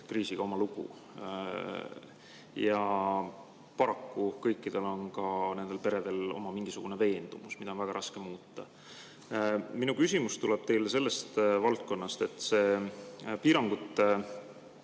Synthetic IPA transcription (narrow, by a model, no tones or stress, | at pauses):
kriːsiɡ̥ɑo̞mɑluɡ̥ṵ | jɑ | pɑɾɑkːukɤjkːid̪̥e̞lo̞nkɑne̞nd̪̥epe̞ɾe̞d̪e̞lo̞̰mɑmiŋɡ̥isuɡ̥une̞ve̞ːnd̪̥umusmid̪ɑonvæɡ̥ɑɾɑskemuːt̪ːˑɑ̰ | minukysʲimust̪uleb̥̚t̪e̞jlese̞lːe̞st̪vɑlt̪̚ko̞nːɑst̪e̞t̪ːˑse̞ːpiːɾɑŋɡ̥ut̪ːˑe